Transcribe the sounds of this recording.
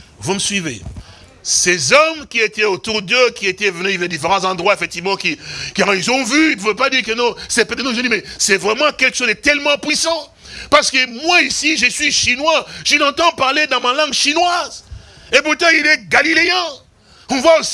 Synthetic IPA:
vuməsɥivḛ | sɛzɔmkʲiet̪ɛot̪uʁd̪əkʲiet̪ɛvənyivɛd̪ifeʁɑ̃zɑ̃d̪ʁwaefɛk̚t̪ivmɑ̃kikaʁilzɔ̃vyipuvøpad̪iːʁkənɔ̃sɛpad̪ənɔ̃ʒ̃d̪imɛsɛvʁɛmɑ̃kʲɛlkəʃozd̪ət̪ɛlmɑ̃pɥisɑ̃ | paʁsə̥kəmwaisiʒəsɥiʃinwaʒənɑ̃t̪ɑ̃paʁled̪ɑ̃malɑ̃ɡʃinwazepuʁt̪ɑ̃ilɛɡalileɛ̃ | ɔ̃vwaos

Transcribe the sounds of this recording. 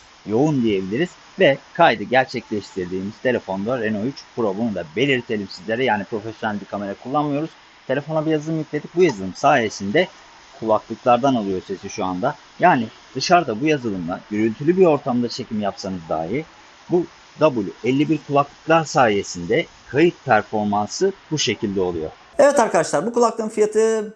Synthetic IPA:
jo̞und̪ije̞bilʲiɾiz̥ | vɛkʰajd̪ɯɟæɾt͡ʃʰɛclʲɛʃt̪ʰiɾd̪iːmiz̥t̪ʰe̞lʲe̞fo̞nd̪aɾeno̞jyt͡ʃpʰuɾobonund̪abe̞lʲiɾt̪ʰe̞lʲimsizlʲeɾɛjaːnipɾo̞fesjo̞nælʲbikʰame̞ɾakʰulˠːanmɯjo̞ɾuz̥ | t̪ʰe̞lʲe̞fonabijazɯlˠɯmjiclʲe̞d̪ic̚bujazɯlˠɯmsaːje̞sind̪ɛ | kʰulˠaklˠɯklˠaɾd̪analˠɯjo̞ɾse̞siʃuand̪a | jaːni | d̪̥ɯʃaɾd̪abujazɯlˠɯmd̪ˠa̰jyɾylʲt̪ʰylʲybio̞ɾt̪ʰamd̪at͡ʃʰe̞cʰimjapsanɯzd̪a̰ːɦiɾ | bu | d̪abulʲyɛlʲːibiɾkʰulˠaklˠɯklˠaɾsaːje̞sind̪ɛ | kʰajɯt̪̚pʰæɾfo̞ɾmansɯbuʃe̞cʰilʲd̪ɛo̞lˠṵjo̞̰ | ɛvɛt̪aɾkad̪aʃlˠaɾbukulˠaklˠɯːnfijat̪ʰɯ

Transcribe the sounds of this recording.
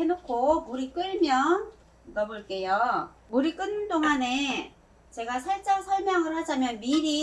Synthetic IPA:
enokʰomuɾik͈ɯɭmjʌn | ɯɡʌboɭk͈e̞jo | muɾik͈ɯnːɯntoŋane̞ | t͡ɕe̞ɡasʰaɭt͡ɕ͈asʰʌɭmjʌŋɯɭhad͡ʑamjʌnmiɾi

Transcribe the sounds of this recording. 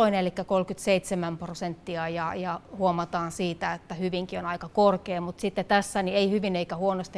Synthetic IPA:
oinelikːækolkyt̪seit̪semæmprosent̪ːiɑjɑjɑhuomɑt̪ɑːnsiːt̪æet̪ːæhyʋiŋkionɑikɑkorkeːmut̪sit̪ːet̪æsːænieihyʋineikæhuonost̪i

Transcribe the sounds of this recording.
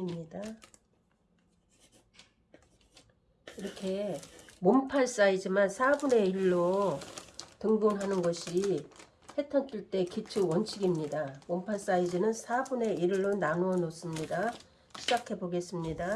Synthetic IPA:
mɲida | iɾʌkʰe̞mompʰaɭs͈aid͡ʑimansʰabune̞iɭːo | tɯŋbonɦanɯnɡʌɕʰi | he̞tʰʌnt͈iɭt͈e̞kitʰuwʌnt͡ɕʰiɡimɲidamompʰaɭs͈aid͡ʑinɯnsʰabune̞iɭːonanuʌnos͈ɯmɲida | ɕʰid͡ʑakʰe̞boɡe̞s͈ɯmɲida

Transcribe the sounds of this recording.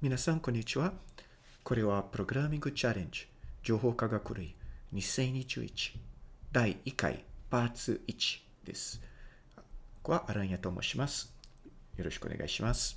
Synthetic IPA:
mʲinasãŋkõ̞ɲ̟ːit͡ɕiβa | ko̞ɾe̞βapɯ̟ɾo̞ɡɯ̟ɾamʲĩŋɡɯ̟t͡ɕaɾẽ̞ɲ̟d͡ʑɨ̥ | d͡ʑo̞ːɦo̞ːkaɡakɯ̟ɾɯiɲ̟isẽ̞ɲit͡ɕɨ̰ḭt͡ɕi̥d̪aiika̰ḭpaːt͡sɨit͡ɕi̥ | d̪̥e̞̰sɨ̥ | koβaʔaɾaĩat̪oːmo̰ɕimasɨ̥jo̞ɾo̞ɕi̥kɯo̰neɡa̰iɕimasɨ̥

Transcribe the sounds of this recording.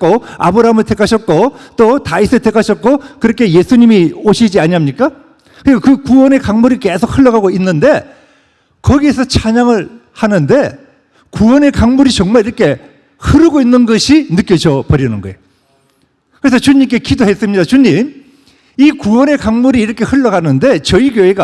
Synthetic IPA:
k͈oa̰bɯɾaɦamɯɭtʰekʰaɕʰʌt̚k͈ot͈otaisʰɯɭtʰekʰaɕʰʌt̚k͈okɯɾʌkʰe̞je̞sʰuɲimioɕʰid͡ʑiaɲiɦamɲik͈a | kɯɾiɡakɯkuwʌne̞kaŋmuɾikesʰok̚hʰɯɭːʌɡaɡoinːɯnde̞ | kʌɡiesʰʌt͡ɕʰaɲaŋɯɭhanɯnde̞ | kuwʌne̞kaŋmuɾit͡ɕʌŋmaɭiɾʌkʰe̞ | hɯɾɯɡoinːɯnɡʌɕʰinɯk͈jʌd͡ʑʌpʌɾjʌnɯnɡʌejo | kɯɾe̞s̬ʰʌt͡ɕuɲimk͈e̞kidoɦe̞s͈ɯmɲidat͡ɕuɲim | ikuwʌne̞kaŋmuɾiːɾʌkʰe̞hɯɭːʌɡanɯnde̞t͡ɕʌikjoe̞ɡa

